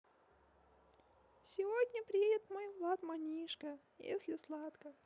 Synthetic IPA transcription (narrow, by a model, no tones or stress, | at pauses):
sʲɪvodʲnʲəpɾʲɪjedʲɪt̪mojvlˠat̪manʲiʂkə | jḛsʲlʲɪslˠat̪kə